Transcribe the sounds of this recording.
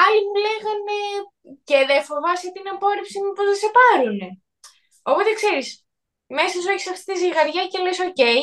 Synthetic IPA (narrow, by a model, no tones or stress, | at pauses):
ɐlimule̞ɣɐne | ceðefo̞vɐsot̪inɐpo̞ɾepsimupozðese̞pɐɾune | o̞po̞t̪ekse̞ɾis | me̞sɐsueçi̥sɐft̪i̥t̪iziɣɐɾʝɐce̞leso̞ce̞j